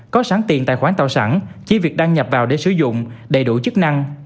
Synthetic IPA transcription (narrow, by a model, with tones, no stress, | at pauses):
kɔ˨˦saː˨˦ŋt̪i˨˩nt̪ːxwaː˧˥nt̪a̰˧˨˩wsa̰ː˧˩nt͡ɕi˧˦vi˨˩ək̚ɗaː˧ŋɲə˨˩p̚vaː˨˩wɗe˧˩˦sɨ˨˧˦zʊ̰˧˨ŋ͡mɗə˨˩jɗu˧˩t͡ɕɨ˦˥k̚na˧ŋ